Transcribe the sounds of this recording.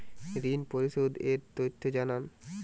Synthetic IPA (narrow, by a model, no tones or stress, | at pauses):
ɾinpoɾiʃod̪eɾt̪ot̪ʰːod͡ʑanan